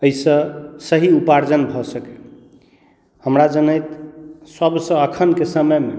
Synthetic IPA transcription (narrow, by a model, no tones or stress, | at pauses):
əisə̃səɦiupaɾd͡ʒənbʱɔsəkɛe | həmɾad͡ʒənəjt̪səbsə̃əkʰənkesəməjme